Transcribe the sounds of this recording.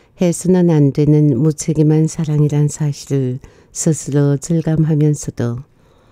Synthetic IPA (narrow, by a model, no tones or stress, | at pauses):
hesʰɯnanandwe̞nɯnmut͡ɕʰeɡimansʰaɾaŋiɾansʰaɕʰiɾɯɭ | sʰɯsʰɯɾot͡ɕɯɭɡamɦamjʌnsʰʌd̥o